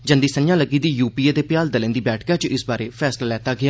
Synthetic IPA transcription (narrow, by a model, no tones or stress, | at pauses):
d͡ʒənd̪iːsənjãːləɡiːd̪iːjuːpiːeːd̪eːpɪjaːld̪əlẽnd̪iːbɛːʈʰkaːt͡ʃɪsbaːɾeːpʰɛːslaːlɛːt̪aːɡɪaː